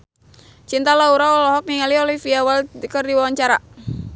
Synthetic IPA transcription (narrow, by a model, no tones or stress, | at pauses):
t͡ʃint̪alauɾaɔlɔɦɔk̚niŋaliolifiawalkərdiwawaɲt͡ʃaɾa